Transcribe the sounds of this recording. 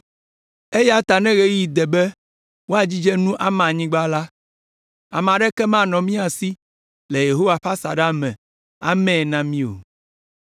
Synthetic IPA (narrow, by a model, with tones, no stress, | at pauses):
e˦ja˦t̪a˨nɛ̃˦ɣe˦ji˨d̪ɛ˨bɛ˦ | wo˦a˨d͡ʑi˦d͡ʒɛ˦nũ˦ʔa˨mã˨ɲĩ˦ɡ͡ba˦la˦ | a˨mã˨ɖɛ˦kɛ˦mã˦˨nɔ̃˨mĩ˦a˨si˦ | le˨je˨ɦo˦wa˨ɸa˦sa˨ɖa˦mɛ̃˨ | a˨mɛ̃˦˨nã˦mĩ˦o̰˨